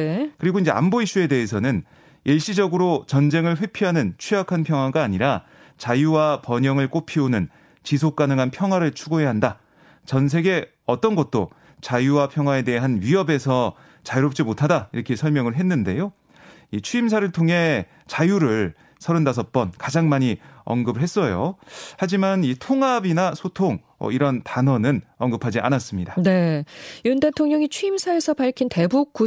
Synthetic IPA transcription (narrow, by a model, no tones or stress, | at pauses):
ekɯɾiɡoind͡ʑe̞̰a̰nboiɕ͈ue̞de̞ɦes̬ʰʌnɯn | jʔeɭɕ͈id͡ʑʌɡɯɾot͡ɕʌnd͡ʑe̞ŋɯɭɸwe̞pʰiɦanɯnt͡ɕʰiakʰanpʰjʌŋwaɡaːɲiɾa | t͡ɕajuwapʌɲʌŋɯɭk͈opʰionɯn | t͡ɕis̬ʰok̚k͈anɯŋɦanpʰjʌŋɦwaɾɯɭt͡ɕʰuɡojeɦanda | t͡ɕʌns̬ʰe̞ɡe̞ | ʌt͈ʌnɡʌt̚t͈o | t͡ɕajuwapʰjʌŋɦwae̞de̞ɦanɥiʌbe̞sʰʌ | t͡ɕajuɾʌp̚t͡ɕ͈imotʰadaiɾʌkʰesʰʌɭmjʌŋɯɭɦe̞nːɯnde̞jo | it͡ɕʰuims̬ʰaɾɯɭtʰoŋɦe̞ | t͡ɕajuɾɯɭ | sʰʌɾɯndas̬ʰʌt̚p͈ʌnkad͡ʑaŋmaɲiʌ̰nɡɯbɯɭɦe̞s͈ʌjohad͡ʑimanitʰoŋɦabinasʰotʰoŋ | ʌ̰iɾʌntanʌnɯnʌŋɡɯpʰad͡ʑiʔa̰nas͈ɯmɲidane̞junde̞tʰoŋɲʌŋit͡ɕʰuimsʰae̞sʰʌpaɭkʰinte̞buk̚k͈u